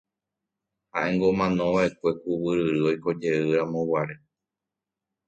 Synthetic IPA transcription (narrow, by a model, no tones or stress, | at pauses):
haʔẽ̞ŋɡo̞mãnõʋaʔe̞kʷe̞kuwɨɾɨɾɨojko̞d͡ʒe̞ɨɾãmõwaɾe